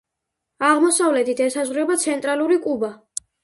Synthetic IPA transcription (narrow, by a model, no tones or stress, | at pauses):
aʁmɔsavlɛt̪ʰit̪ʰɛsazʁɾɛbat̪sʰɛnt̪ʼɾaluɾikʼuba